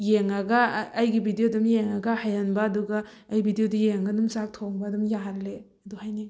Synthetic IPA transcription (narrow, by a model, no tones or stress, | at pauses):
jeŋaɡaːjɡibʱidijodumjeŋaɡɐhajanbaːduɡaː | jbʱidiodijeŋɡɐdumsak̚tʰoŋbadumjaɦalle | ɐduhajni